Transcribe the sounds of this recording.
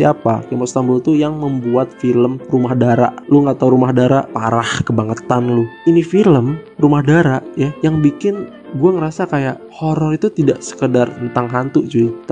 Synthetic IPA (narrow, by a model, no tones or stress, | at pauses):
iapakimɔst̪ambʊlt̪ujaŋməmbuat̪̚filəmrumahdaɾa̰ʔlʊŋat̪awɾumahdaɾa̰ʔpaɾahkəbaŋət̪anlʊhinifiləm | rumahdaɾaʔjajaŋbikɪn | ɡuaŋəɾasakajaʔ | hɔɾɔɾit̪ut̪idaʔsə̥kədarənt̪aŋɦant̪ʊʔd͡ʒuit̪